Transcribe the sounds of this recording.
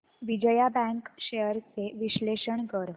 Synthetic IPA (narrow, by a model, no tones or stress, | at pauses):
ʋid͡ʑəjabɛ̃ŋkɕejəɾt͡seʋiɕleɕəɳkəɾ